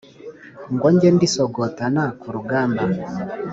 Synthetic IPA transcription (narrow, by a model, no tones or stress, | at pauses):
ŋɡɔɲɟɛndisɔɡɔtanakuɾuɡaːmba